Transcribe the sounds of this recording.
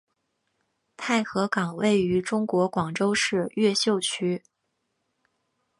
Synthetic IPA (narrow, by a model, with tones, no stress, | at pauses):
t̪ʰa˥˩ɪxɤ˧˥kɑ˨˩ŋwe˥˩ɪy˧˥ʈ͡ʂʊ˥ŋkwɔ˧˥kwɑ˨˩ŋʈ͡ʂo˥ʊʂɻ̩˥˧ɥɛ˥˧ɕjo˥˧ʊt͡ɕʰy˥